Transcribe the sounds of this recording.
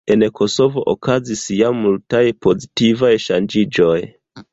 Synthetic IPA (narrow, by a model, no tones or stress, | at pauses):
e̞nkʰo̞so̞vo̞ʔokazisjamːultajpo̞zitivajʃand͡ʒid͡ʒo̞j